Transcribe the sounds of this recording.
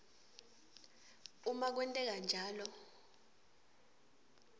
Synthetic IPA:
umak̬wɛntʼɛk̬and͡ʒʱaːlɔ

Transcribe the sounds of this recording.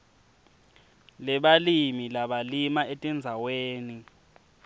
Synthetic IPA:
lɛɓalimilaɓalimaetʼɛnd͡zʱaweːni

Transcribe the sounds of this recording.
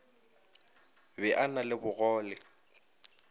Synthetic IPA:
bɛʔanalɪbʊɣɔːlɪ

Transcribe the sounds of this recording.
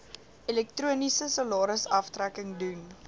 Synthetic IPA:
ilɛk̚truənisəsɑlɑːɾəsɐftrækəŋdun

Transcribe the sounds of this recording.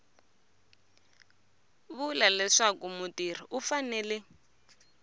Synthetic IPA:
βulalɛʂakumutir̤iʔufanɛːlɛ

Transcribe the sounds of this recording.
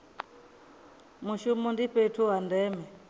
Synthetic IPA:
muʃumɔndiɸɛtʰuwandɛmɛ

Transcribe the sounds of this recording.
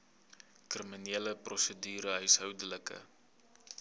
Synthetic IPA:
kriminiːələprɔsədyːɾəɦœɥsɦœwdələkə̰

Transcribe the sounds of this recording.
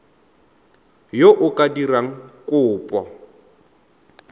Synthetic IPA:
joʔʊkʼadiraŋ̩kʼʊːpʼɔ

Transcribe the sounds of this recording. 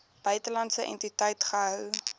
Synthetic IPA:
b̥œɥtəlɐntsəʔɛ̰ntitəjtχəɦœw

